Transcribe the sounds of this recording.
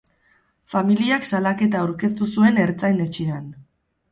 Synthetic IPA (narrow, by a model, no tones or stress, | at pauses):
familiaksalake̞t̪̬aawɾke̞st̪usue̞ne̞ɾt͡sajne̞t͡ʃean